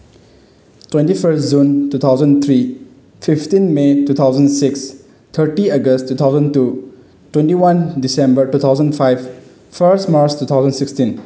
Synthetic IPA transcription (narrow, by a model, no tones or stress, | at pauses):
twẽntipʰəɾstd͡ʒuntut̪ʰawzənt̪ʰɾi | pʰipʰtinmetut̪ʰawzənsiks | t̪ʰəɾʈiəɡəstːut̪ʰawzə̃ntu | twẽntiwandisẽmbəɾtut̪ʰawzə̃npʰajb̚ | pʰəɾstmaɾt͡ʃtut̪ʰawzə̃nsikstĩn